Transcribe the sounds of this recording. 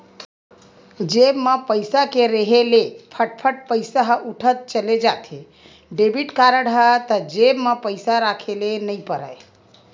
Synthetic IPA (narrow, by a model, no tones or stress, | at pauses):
d͡ʒebməpəjsakeɾeɦelepʰəʈ̚pʰəʈ̚pəjsaɦuʈʰət̪̚t͡ʃəled͡ʒat̪e | ɖebiʈkaɾəɽɦət̪əd͡ʒebməpəɪsaɾakʰelenəjpəɾə̰j